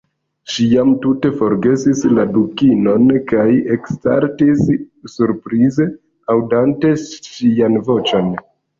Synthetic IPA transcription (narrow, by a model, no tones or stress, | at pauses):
ʃijamtute̞fo̞ɾɡe̞sisladukino̞nkajeksta̰ɾtisːuɾpɾize̞ | awdante̞ʃianvo̞t͡ʃo̞n